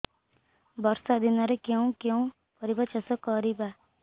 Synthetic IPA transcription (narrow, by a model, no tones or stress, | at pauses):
bɔɾsɔd̪inɔɾekeũkeũ | pɔɾibɔt͡ʃasɔkɔɾiba